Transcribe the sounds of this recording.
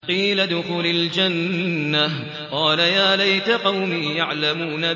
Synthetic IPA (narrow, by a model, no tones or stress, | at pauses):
qiːlad̪ʊxuːlald͡ʒanːa | qɑːlajaːlajt̪aqɑwmiːjaʕlamuːna